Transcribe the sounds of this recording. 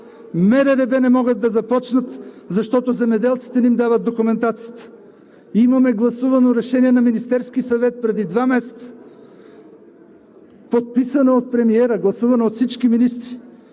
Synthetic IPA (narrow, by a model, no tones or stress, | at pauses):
mɛɾɛɾɛbɛnɛmɔɡəd̪ːɐzɐpɔt͡ʃnət̪ | zɐʃt̪ɔt̪ozɛmɛd̪ɛlˠt̪si̥t̪ɛnimd̪avət̪̚d̪okʊmɛnt̪at̪sijət̪ə̥ | imɐmɛɡlˠɐsuvɐnoɾɛʃɛniɛnɐminist̪ɛɾskisɐvɛt̪̚pɾɛd̪id̪vamɛsɛ̥t̪sə̥ | pot̪̚pisɐnɐot̪̚pɾɛmiɛɾəɡlˠɐsuvɐnɐot̪fsit͡ʃkiminist̪ɾi